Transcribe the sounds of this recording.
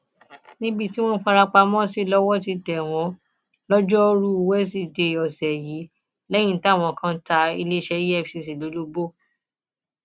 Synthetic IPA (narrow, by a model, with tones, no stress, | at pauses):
nĩ˦bi˦˧ti˦w̃ɔ̃˦fa˧ɾa˧k͡pa˧mɔ̃˦si˦˨lɔ˦wɔ˦ti˧tɛ˨w̃ɔ̃˨˦ | lɔ˦d͡ʒɔ˦ɾu˦˧wɛ˦s̬i˦˨de˨ɔ˨sɛ˨ji˨˦ | lɛ˦j̃ĩ˦˨ta˦˨w̃ɔ̃˧˨kã˦ta˧i˧le˦ʃɛ˧˦ji˦ɛ˦fsi˧˨si˨lo˨˦lo˦bo˦